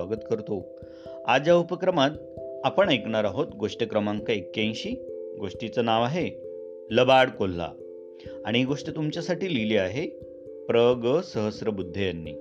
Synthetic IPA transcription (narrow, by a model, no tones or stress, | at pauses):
aɡət̪kəɾt̪o | a̰d͡ʑjaupəkɾəmat̪ | apəɳekɳaɾaɦot̪ɡoʂʈəkɾəmãŋkaekːjãj̃ɕiːɡoʂʈit͡sənaʋaɦe | ləbaɽkol̤ːa̰ | aɽ̃iɡoʂʈit̪umt͡ɕjasaʈiːliliːaɦe | pɾəɡəsəɦəsɾəbud̪ʱːejanːḭː